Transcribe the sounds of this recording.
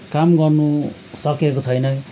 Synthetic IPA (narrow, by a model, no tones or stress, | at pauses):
kamɡʌrnu | sʌkekot͡sʰʌjnʌ